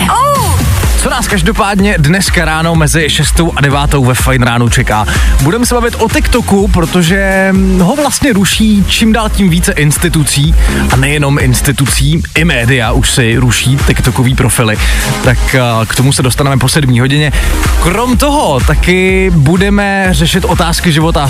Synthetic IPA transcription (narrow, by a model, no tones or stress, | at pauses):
t͡so̞naːskaʒdo̞paːdɲɛdnɛskaɾaːno̞mɛzɪʃɛst̪owʔadɛvaːt̪o̞wvɛfajnɾaːnut͡ʃɛkaːbudɛmɛsɛbavɪt̪ʔo̞t̪ɪkt̪o̞kupɾot̪oʒɛɦo̞vlast̪ɲɛɾuʃiːt͡ʃimdaːlciːmviːt͡sɛʔɪnst̪ɪt̪ut͡siːʔanɛjɛno̞mʔɪnst̪ɪt̪ut͡siːʔɪmɛːdɪjaʔuʃsɪɾuʃiːt̪ɪkt̪o̞koviːpɾo̞fɪlɪt̪akkt̪o̞musɛdost̪anɛmɛpo̞sɛdmɲiːɦo̞ɟɪɲɛkɾo̞mt̪o̞ɦo̞t̪akɪbudɛmɛ | rɛʃɪt̪ʔo̞t̪aːskɪʒɪvo̞t̪a